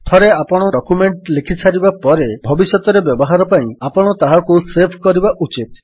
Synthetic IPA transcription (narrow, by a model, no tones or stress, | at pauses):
t̪ʰɔɾeapɔɽ̃ɔɖɔkumeɳʈlikʰit͡ʃʰaɾibapɔɾebʱɔbisjɔt̪ɔɾebjɔbɔɦaɾɔpaĩapɔɽ̃ɔt̪aɦakusepʰkɔɾibaʔut͡ʃit̪̚